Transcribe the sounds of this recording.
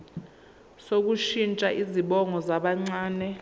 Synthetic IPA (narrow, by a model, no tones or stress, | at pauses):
sok̬uʃint͡ʃʼaʔiziɓɔŋɔzaɓaŋ͡ǀaːnɛ